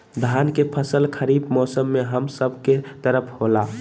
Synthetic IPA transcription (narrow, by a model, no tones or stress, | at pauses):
d̪ʱankepʰəsəlkʰəɾibmɔsəmːeɦəmsəbʱket̪əɾəpʰhola